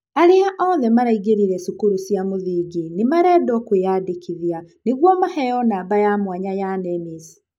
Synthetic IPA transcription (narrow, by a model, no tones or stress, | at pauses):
aɾeaʔɔðɛmaɾaiɣeɾiɾɛsukuɾusjamoðiɡinemaɾɛːdɔkweadekʰiðjaneɣwɔmahɛjɔnaːbajamwaɲajanɛmesi̥